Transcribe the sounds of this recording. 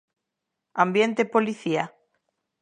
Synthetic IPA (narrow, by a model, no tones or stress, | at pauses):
ambjent̪epoliθia